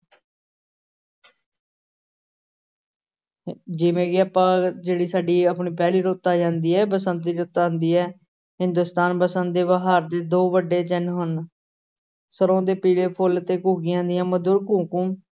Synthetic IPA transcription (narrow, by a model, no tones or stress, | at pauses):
d͡ʒɪʋẽːɡiːaːpãːd͡ʒeːɽiːsaːɖiːəp̬ɳiːpɛːliːɾoːt̪ːaːd͡ʒãːnd̪iːɛːbəsənd̪iːɾoːt̪aːnd̪iːɛː | ɦɪ̃nd̪ʊːst̪aːnpəsənd̪d̪eːʋaɦaːɾd̪eːd̪oːʋəɖːeːt͡ʃənɦʊn | səɾõːd̪eːpiːleːpʰʊlt̪eːkuːɡiːãːd̪ɪjãːməd̪ʊɾkũːkũː